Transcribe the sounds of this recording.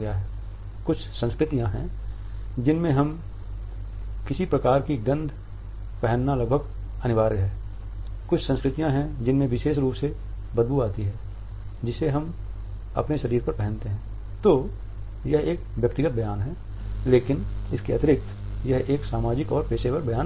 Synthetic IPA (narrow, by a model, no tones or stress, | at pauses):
ɡjaɦɛː | kʊt͡ʃʰsə̃nskɾɪt̪ijãɦɛ̃ | d͡ʒɪnmẽɦɐm | kɪsipɾɐkaːɾkiɡɐ̃nd̪ʱ | pɛɦənːalɐɡbʱəɡ | ɐnɪʋaːɾɡɐɛː | kʊt͡ʃʰsə̃nskɾɪt̪ijãɦɛ̃d͡ʒɪnmẽʋɪʃeːʃɾuːpse | bəd̪̚buaːt̪iɦɛː | d͡ʒɪseɦɐm | ɐ̰pneʃɐɾiːɾpɐɾpɛɦə̃nt̪eɦɛ̃ː | t̪o | jɐɦeːkʋjɐk̚t̪ɪɡət̪̚bɐjaːnɦɛː | leːkɪnɪskeɐt̪ɪɾɪk̚t̪ | jɐɦeːksaːmaːd͡ʒɪkɔːɾpeːʃepəɾbɐjaːn